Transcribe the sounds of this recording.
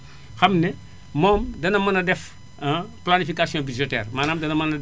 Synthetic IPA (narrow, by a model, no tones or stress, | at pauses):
xɐmnɛ | mɔːmdɐnɐmɐnɐdɛf | planifikasijõbid͡ʒotɛ̰ːrmaːnaːmdɐnɐmɐnɐ